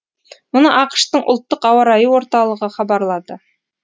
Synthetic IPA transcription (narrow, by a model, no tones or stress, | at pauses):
mŏnəʔɑqʃt̪əɴʔŏ̰lˠt̪ːəqɑwɑɾɑjəwo̞ɾt̪ɑlˠə̆ʁəχɑbɑɾlˠɑd̪ə